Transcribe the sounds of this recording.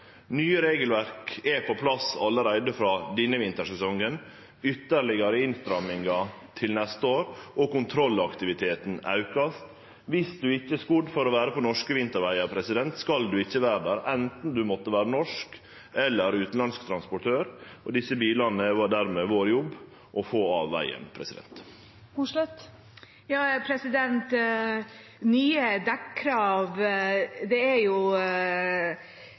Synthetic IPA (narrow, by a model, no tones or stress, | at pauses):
nyːəɾeːɡəlʋæɾkɛpʰɔpʰlɑsɑlːəɾæɪd̪əfɾɑːd̪ɪnːəʋɪnt̪əʂɛsɔŋən | ʏt̪ːəɾɭɪɡəɾəɪnst̪ɾɑmːɪŋɑ | t̪ʰɪlnɛst̪əoːɾɔkʊnt̪ʰɾɔlːɑkt̪ɪʋɪt̪ʰeːt̪n̩ɑ̰ʉkɑst̪ | ʋɪsd̪ʉɪçːəskʊd̪fɔɾɔʋæːɾəpɔnɔʂkəʋɪnt̪əɾʋæɪɑɾpʰɾɛsɪd̪ɛnt̪skɑld̪ʉɪçːəʋæːɾd̪æːɾɛnt̪n̩d̪ʉmɔt̪ːəʋæːɾənɔʂk | ɛlːəɾʉːt̪n̩lɑnsk̚t̪ʰɾɑnspɔʈʰøːɾɔd̪ɪsːəbiːlɑnːəʋɑɖ̪æɾmeːʋoːɾjɔbː | ʔɔfoːɑːʋːæ̰ɪə̰npʰɾɛsɪd̪ɛ̰nt̪ | hʊʂlɛt̪ | jɑːpʰɾɛsɪd̪ɛnt̪ | nyːəd̪ækkʰɾɑːʋ | d̪ɛæɾjʊ